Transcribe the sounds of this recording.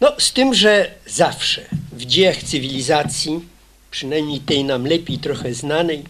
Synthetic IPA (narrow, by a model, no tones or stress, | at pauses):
nɔst̪ɘmʐɛzafʂɛvd͡ʑejaxt̪sɨvʲilʲizat̪sʲji | pʂɘnajmɲejt̪ɛjnamlɛpʲejt̪ɾɔxɛznanɛj